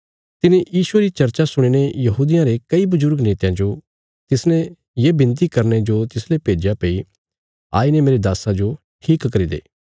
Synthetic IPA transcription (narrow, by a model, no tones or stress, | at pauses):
t̪ɪnẽjiːsʊeɾit͡ʃɐɾt͡ʃasʊɽ̃iɽ̃ejɐɦuːd̪ɪjãɾekɐibʊzʊɾɡneːt̪jãd͡ʒo | t̪ɪsnẽ | jeːbɪ̃nt̪̬ikɐɾned͡ʒot̪ɪslepeːd͡ʒjapei | a̰ːinemeːɾed̪aːsãd͡ʒo | ʈʰiːkːɐɾid̪ḛː